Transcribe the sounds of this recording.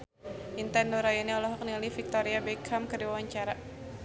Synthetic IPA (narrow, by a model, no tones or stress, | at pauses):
ʔint̪ɛndoɾajɔniɔlɔɦɔk̚nilifik̚t̪ɔɾiabɛkʰamkədiwawaɲt͡ʃaɾa